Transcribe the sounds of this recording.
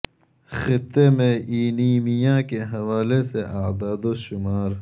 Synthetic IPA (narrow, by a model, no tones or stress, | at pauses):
xɪt̪ːemẽʔiːniːmijãːkeɦɐwaːleseʔaːd̪aːd̪oʃʊmaːɾ